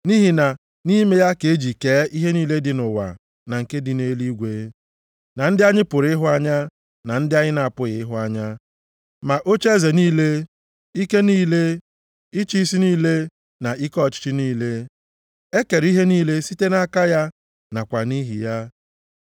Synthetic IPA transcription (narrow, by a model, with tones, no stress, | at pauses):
ni˦ɦi˨na˨ | ni˦me˦ja˦ke˨˦d͡ʒi˨keː˨˦i˦ɦe˦niː˦le˦dɪ˨nʊ˨wa̰˨ | na˨ŋ̩˨ke˦dɪ˨ne˦li˦ɡʷe˨˦ | na˨n̩˦dɪ˦a˦ɲɪ˦pʊ˨ɾɪ˦ɦʊ˦a˦ɲa˦ | na˨n̩˦dɪ˦a˦ɲɪ˦na˨a˨pʊ˦ɣɪ˨ɪ˦ɦʊ˦a˦ɲa˦ | ma˨ʔo˦t͡ʃe˦ze˨niː˦le˦ | i˦ke˦niː˦le˦ | i˦t͡ʃi˦si˦niː˦le˦ | na˨i˦kɔ˦˨t͡ʃɪ̥˦t͡ʃi˦niː˦le˦ | e˦ke˨ɾi˦ɦe˦niː˦le˦si˦te˦na˦ka˦ja˦ | na˨kʷa˨ni˦ɦi˨ja˦